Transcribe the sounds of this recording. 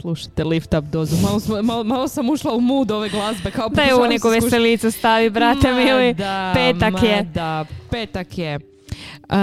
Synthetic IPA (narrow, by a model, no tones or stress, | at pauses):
slˠuʃḁt̪elift̪ap̚d̪oːzumalosmmalomalosamuʃlˠaumuːd̪o̞ʋeɡlˠazbekaod̪ajeunekoʋjeselit̪sest̪aʋibɾat̪emilid̪apeːakjed̪apeːt̪akje